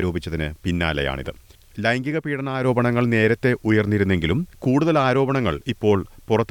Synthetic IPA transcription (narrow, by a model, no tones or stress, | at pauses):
ɾo̞ːbit͡ɕːɐðinɨpinːa̰ːlɐ̰ja̰ːɳḭðɨ̰ | lɐjŋɡiɣɐpiːɽɐnaːɾo̞ːbɐɳɐŋːɐɭne̞ːɾɐt̪ːe̞ʔujɐrnːiɾunːe̞ŋɡilumkuːɽuðɐlaːɾo̞ːbɐɳɐŋːɐɭipːo̞ːɭpurɐt̪ː